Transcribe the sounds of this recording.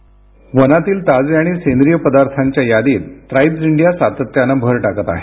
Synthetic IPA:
ʋənat̪iːlt̪ad͡zaɽ̃isend̪ɾijəpəd̪aɾt̪ʰaɲt͡ɕjajad̪iːt̪ːɾajbd͡ziɳɖijasat̪ət̪janabʱəɾʈakət̪a̰ɦe

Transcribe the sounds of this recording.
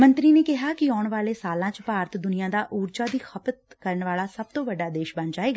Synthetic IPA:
mə̃nt̪ɾiːneːkɪɦaːkɪɔːʊɳʋaːleːsaːlãːt͡ʃpaːɾt̪ʰd̪ʊnɪjãːd̪aːʔuːɾd͡ʒaːd̪iːxʰəpət̪̚ | kəɾəɳʋaːlaːsəb̚t̪õːʋəɖːaːd̪eːʃbə̃nd͡ʒaːeːɡaː

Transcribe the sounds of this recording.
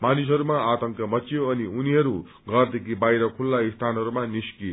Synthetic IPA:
manis̬ɦʌɾumaat̪ʌŋkʌmʌt͡sijoʌniuniɦʌɾu | ɡʌrd̪ekʰibajɾʌkʰulːaist̪ʰanɦʌɾumaniski

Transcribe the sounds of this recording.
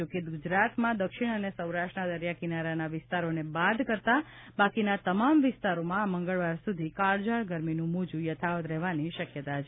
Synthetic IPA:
d͡ʒokeɡud͡ʒɾat̪mãd̪əkʃiɳ̃ənesəwɾaʃʈnad̪əɾjakinaɾanaʋɪst̪aɾonebad̪kəɾt̪a | bakinat̪əmamʋɪst̪aɾomãːməŋɡəɭʋaɾsud̪ʱikaɭd͡ʒaɭɡəɾminũmud͡ʒũjət̪ʰaʋət̪ɾɛɦʋaniʃəkjət̪at͡ʃʰe

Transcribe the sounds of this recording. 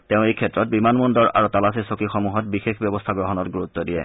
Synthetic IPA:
teʊ̃ejkʰɛtːɹɔt̚bimanmundɔɹa̰ɹutalasisokixɔmuɦɔt̚bixexbjɔbɔstʰaɡɹɔɦɔnɔtɡuɹut̪ːɔdijɛ̰

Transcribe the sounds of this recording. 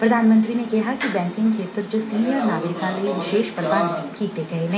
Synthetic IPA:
pɾɐd̪ʱaːnmə̃nt̪ɾinekɛɦakibɛ̃ːŋkɪ̃ŋɡkʃeːt̪əɾd͡ʒoːsiːnijəɾnaːɡɾɪkaleʋɪʃeːʃpɾʋaːnkiːt̪eɡɐenẽ

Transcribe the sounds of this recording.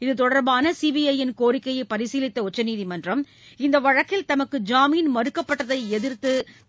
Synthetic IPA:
ɪðɯt̪ɔɽɐɾbaːnɐsibɪjɐjɪnkoːɾɪkːɐjɐɪpɐɾɪsiːlɪt̪ːɐʊt͡ʃːɐniːðimɐndrɐm | ɪnd̪ɐʋɐɻɐkːɪlt̪ɐmɐkːɯd͡ʒaːmiːnmɐɾɯkːɐpːɐʈːɐðɐɪɛðɪɾt̪ɯ

